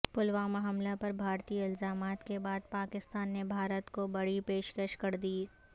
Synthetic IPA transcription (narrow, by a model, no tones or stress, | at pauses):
pʊlʋaːmaɦɐmlapɐɾbʱaːɾt̪iːɪlzaːmaːt̪kebaːd̪̚paːkɪst̪aːnːebʱaːɾət̪kobɐɽipeːʃkəʃkɐɾd̪iː